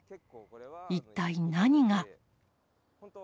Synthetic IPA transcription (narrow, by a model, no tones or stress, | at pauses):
it̪ːainaɲ̟iŋa